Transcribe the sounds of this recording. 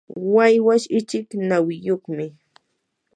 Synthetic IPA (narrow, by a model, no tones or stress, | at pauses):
wajwaʃɪt͡ʃɪknawɪjoχmɪ